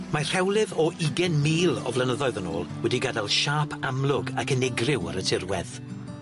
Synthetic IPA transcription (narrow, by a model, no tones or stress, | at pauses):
mar̥ɛwlˠɪðɔʔiɡɛnmiːlˠɔ̰vlˠənəðɔɨðəno̰ːlˠwɛdiɡadalˠʃaːpʰamlˠʊɡakənɛɡrɪwə̰ɾətʰɪrwɛð̥